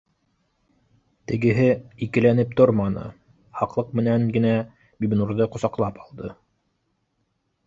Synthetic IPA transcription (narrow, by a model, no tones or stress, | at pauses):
t̪ɘ̆ɡɘ̆ɦɘikɘ̆lænɘp̚t̪oɾmɑnɤ̰ | hɑqlˠɤq̚mɘ̆næŋɡɘ̆næ | bibnuɾðɤqŏsɑqlˠɑpɑlˠd̪ɤ